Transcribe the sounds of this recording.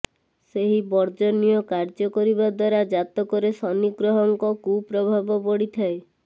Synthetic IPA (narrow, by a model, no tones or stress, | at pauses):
seɦibɔɾd͡ʒɔnijɔkaɾd͡ʒɔkɔɾibad̪waɾad͡ʒat̪ɔkɔɾesɔniɡɾɔɦɔŋkɔkupɾɔbʱabɔpɔɽit̪ʰae